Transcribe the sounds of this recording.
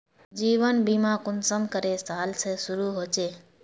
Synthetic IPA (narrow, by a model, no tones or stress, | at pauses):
d͡ʒiːʋənbiːmãːkʊnsəmkəɾeːst̪aːlsʰeːsʊɾuːɦoːt͡ʃeː